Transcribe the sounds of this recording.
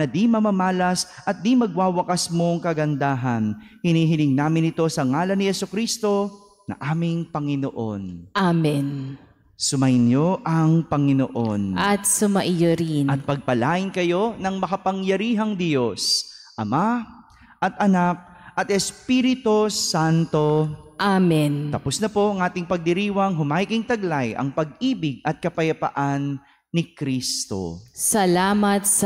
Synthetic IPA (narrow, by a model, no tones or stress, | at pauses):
nɐd̪imɐmɐmaːlɐsʔɐt̪̚d̪imɐɡ̚waːwɐkɐsmo̞ŋkɐɡɐnd̪aːɦɐnhɪniːɦɪnɪŋnaːmɪnɪt̪o̞sɐŋaːlɐnɪhɛsʊkɾist̪o̞ | nɐ̰ʔaːmɪŋpɐŋɪno̰ʔo̞̰nʔamɛn | sʊmɐʔɪnjoʔɐŋpɐŋɪnoʔo̞nʔɐt̪̚sʊmɐʔɪjoɾinɐt̪̚pɐɡ̚pɐlaːʔɪnkɐjo̞nɐŋmɐkɐpɐŋjɐɾiːɦɐŋd̪jo̞sʔɐma | ʔɐt̪̚ʔɐnak̚ | ʔɐt̪ɛspiɾɪt̪osant̪o̞ʔamɛnt̪ɐpʊsnɐpo̞ʔɐŋʔaːt̪ɪŋpɐɡ̚d̪ɪɾiːwɐŋɦʊmaːjɪkɪŋt̪ɐɡlajʔɐ̰ŋpɐɡ̚ʔiːbɪɡ̚ɐt̪̚kɐpɐjɐpɐ̰ʔanː | ɪkɾist̪o̞̰sɐlaːmɐt̪s